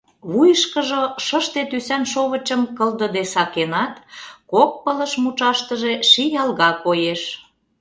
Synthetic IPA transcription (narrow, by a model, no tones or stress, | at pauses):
βujəʃkəʒoʃəʃt̪et̪ysænʃoβə̆t͡ɕəmkəld̪ə̆d̪esɑkenɑt̪kok̚pələ̆ʃmut͡ʃɑʃt̪əʒeʃijɑlɣɑkojeʃ